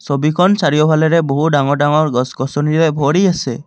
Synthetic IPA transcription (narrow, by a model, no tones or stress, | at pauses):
sɔbikʰɔnt͡ʃaɾiɔbʱaleɾeboɦuɖaŋɔɖaŋɔɾɡɔsɡɔsɔniɾebʱɔɾiase